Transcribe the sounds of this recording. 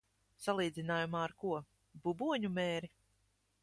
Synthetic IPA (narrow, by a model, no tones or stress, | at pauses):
salˠiːd̪zinaːjumaːɾkuɔ | bubuɔɲumɛːɾi